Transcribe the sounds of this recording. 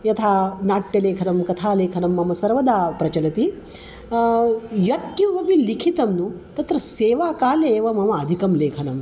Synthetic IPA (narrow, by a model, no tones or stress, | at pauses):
jɐt̪ʰaːnaːʈjɐleːkʰɐnɐmkɐt̪ʰaːleːkʰɐnɐmːɐmɐsɐɾʋɐd̪aːpɾɐt͡ʃɐlɐt̪i | jɐt̪kjuʋɐmilikʰit̪ɐmnut̪ɐt̪ɾɐseːʋaːkaːleːʋɐmɐmɐːd̪ʱikɐmleːkʰɐnɐm